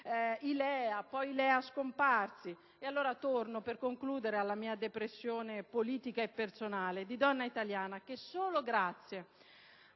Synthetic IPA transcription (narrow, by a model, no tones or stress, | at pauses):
ilɛːapɔjilɛːaskomparsi | ealːoːɾat̪ornoperkoŋkluːd̪eɾealːamiːad̪epɾesːjoːnepoliːt̪ikaepːersonaːled̪id̪ɔnːait̪aljaːnak̟esːoːloɡɾat̪sːje